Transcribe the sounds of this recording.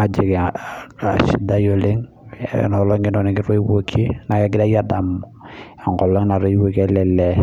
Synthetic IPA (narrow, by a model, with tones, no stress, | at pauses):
a˨d͡ʒi˨kaʃi˨˦da˦jo˨le˦ŋ̰ | nɔ˨lɔ˦ŋi˦nɔ˨ni˨kɪ˦ɾo˦i˦wo˦kʰi˦na˨kɛ˦ɡɪ˦da˦ja˦da˨mɔ˨a˨ŋɡɔ˨lɔ˦ŋna˨ɾo˦i˦wo˦kɛ˦lɛ˨lɛ˨